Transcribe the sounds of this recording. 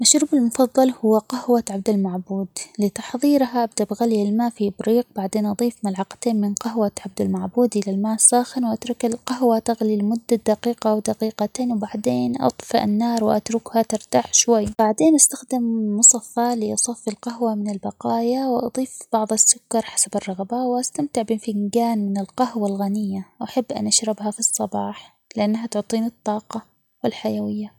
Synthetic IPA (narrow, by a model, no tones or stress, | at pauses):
maʃɾuːbɪlmʊfɑðˤːɑlhʊwːaqahwaʕab̚d̪almaʕbuːd̪lɪt̪ɑ̥ħðˤiːɾɦaʔab̚d̪abɣaljalmaːʔfibɾiːq̚baʕd̪eːnʔɑd̪ˤiːfmalʕɑqt̪eːnmɪnqaɦwaʕab̚d̪almaʕbuːd̪ʔɪlalmaːʔsːaːxɪnwʔat̪ɾˤʊkɪlqaɦwat̪aɣlilmʊd̪ːad̪aqiːqawd̪aqiːqat̪eːnwbaʕd̪eːnʔɑ̰t̪ˤfɑʔɪ̰nːaːɾˤwʔat̪ɾʊkhat̪ɪɾt̪aːħʃwajːbaʕd̪eːnʔast̪axd̪ɪmːʊsˤɑfalɪʔɑsˤɑfːilqaɦwamɪnɪlbɑqɑːjawʔɑ̰d̪ˤiːfb̥ɑʕðˤɑsːʊkːɑɾˤħḁsabɪrˤːɑɣbawʔast̪amt̪ɪʕbɪnfɪŋɡaːnmɪnɪlqahwalɣanɪjːaʔaħabːʔa̰nʔaʃɾɪbɦafisˤːɑbɑːħ | lɪʔanːaɦat̪ʊʕt̪ˤiːnɨt̪ˤːɑːqɑ | wɪlħajawɪjːa